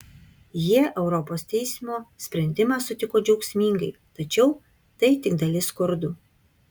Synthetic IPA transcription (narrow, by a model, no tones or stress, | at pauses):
jiɛʔɛʊɾɔpoːst̪ʲɛɪsʲɪmoːsʲpʲɾʲɛnʲd̪ʲɪmɑːsʊt̪ʲɪkoːd͡ʒʲɛʊksʲmʲiːŋɡɐɪt̪ɐt͡ʃʲɛʊ | t̪ɐɪt̪ʲɪɡd̪ɐlʲɪskʊɾd̪ʊ